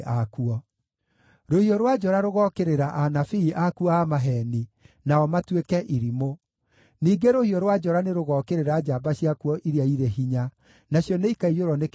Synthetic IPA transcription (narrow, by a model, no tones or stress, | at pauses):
ʔakuɔ | ɾohiɔɾwad͡ʑɔɾaɾoɣɔkeɾeɾaʔanafiːʔakuɔamaɦɛninaɔmatwekɛʔiɾimo | niːɡeɾohiɔɾwad͡ʑɔɾaneɾoɣɔːkeɾeɾad͡ʑaːbaɕjakuɔʔiɾiaiɾeɦiɲa | naɕjɔneikaijoɾɔnek